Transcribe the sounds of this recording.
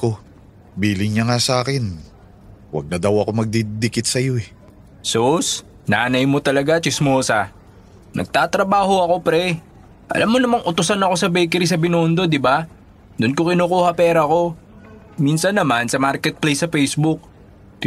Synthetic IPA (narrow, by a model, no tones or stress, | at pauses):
ko | biːlɪŋɲaŋasaːkɪn | wɐ̰ɡ̚nɐd̪ɐwɐko̞mɐɡ̚d̪id̪ɪkɪt̪̚sɐjo̞ʔɛ | sos | naːnɐjmo̞t̪ɐlɐɡat͡ʃɪsmoːsɐ | nʔɐ̰ɡ̚t̪aːt̪ɾɐbaːɦo̞ɐko̞pɾɛ | ʔɐ̰lʔamːonɐmaŋʔʊt̪ʊsanɐko̞sɐbɛjk̬ɛɾisɐbɪnoːnd̪o̞d̪ɪba | d̪ʊnkokɪnoːkuːhɐpɛːɾɐko̞ | minsɐnːɐmansɐmaɾkɛt̪̚plejsːɐfɛjsbʊk̚